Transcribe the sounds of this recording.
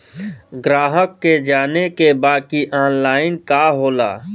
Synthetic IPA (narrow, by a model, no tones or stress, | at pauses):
ɡɾaːɦəkːed͡ʒaːnekebaːkiʔaːnlaːɪnkaɦoːla̰ː